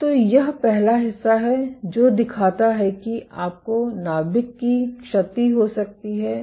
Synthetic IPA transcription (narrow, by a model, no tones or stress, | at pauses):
t̪oːjɐɦpɛɦlaɦɪsːaɦɛd͡ʒoːd̪ɪkʰaːt̪aɦɛkiʔaːp̚konaːbɪkːikʃɐt̪iɦosɐk̚t̪iɦɛː